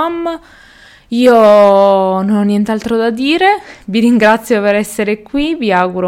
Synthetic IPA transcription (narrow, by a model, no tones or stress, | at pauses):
amː | iːo | nonɔnːjɛnt̪ealt̪ɾod̪ad̪iːɾeviɾiŋɡɾat̪sːjopeɾɛsːeɾekwiviaːɡuɾo